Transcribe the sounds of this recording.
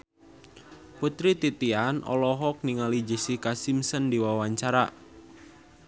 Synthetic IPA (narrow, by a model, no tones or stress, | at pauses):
put̪ɾit̪it̪ianʔɔ̰lɔɦɔk̚niŋalid͡ʒəsikasimsəndiwawaɲt͡ʃaɾa